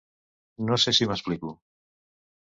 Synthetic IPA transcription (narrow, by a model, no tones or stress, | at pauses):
nosesiməspliku